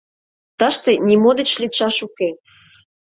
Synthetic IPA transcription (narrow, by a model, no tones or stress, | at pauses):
t̪əʃt̪ĕnʲimod̪ə̆t͡ɕlʲiʃɑʃuke